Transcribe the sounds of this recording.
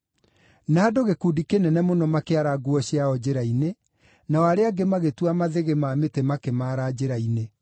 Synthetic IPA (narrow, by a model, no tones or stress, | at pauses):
naːdoɣekudikenɛnɛmonɔmakeaɾaɡuɔɕiaɔd͡ʑeɾaine | naɔaɾeaɡemaɣetwamaðeɣemaːmetemakemaːɾad͡ʑeɾaine